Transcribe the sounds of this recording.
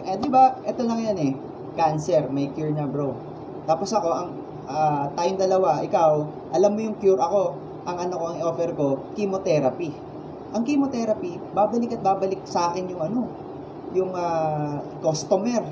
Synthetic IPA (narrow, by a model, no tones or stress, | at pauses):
ʔɐd̪ɪbaʔɛt̪o̞lɐŋjanɛ | kansɛɾmɐjkjuɹnɐmbɾo | t̪aːpo̞sʔɐko̞ʔɐŋ | ʔat̪ajmd̪ɐlɐwaʔɪkaw | ʔɐlamːojʊŋkjuɾʔɐko̞ | ʔɐŋʔɐnoko̞ɐŋo̞ːfɛɾko̞kimot̪ɛɾɐpi | ʔɐŋkimot̪ɛɾɐpi | baːbɐlɪkɐt̪̚baːbɐlɪk̚sɐaːkɛnjʊŋʔɐno̞ | jʊŋaːkost̪omɛɾ